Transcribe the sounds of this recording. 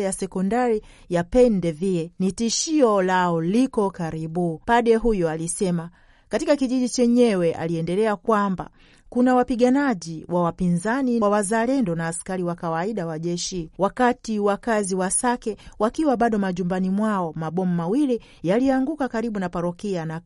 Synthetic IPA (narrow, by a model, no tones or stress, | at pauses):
jasɛkɔndaɾi | japɛndɛviɛnitiʃiɔlaɔlikɔkaɾiɓupaɗɛɦujɔalisɛma | katikakiʄiʄit͡ʃɛɲɛwɛʔa̰liɛndɛlɛakwamba̰ | kunawapiɠanaʄiwʔawapinzaniwazalɛndɔnaːskaɾiwakawaiɗawaʄɛʃiwakatiwakaziwasakɛwakiwaɓaɗɔmaʄumbanimwaɔmaɓɔmumawili | jaliaŋɡukakaɾiɓunapaɾɔkiana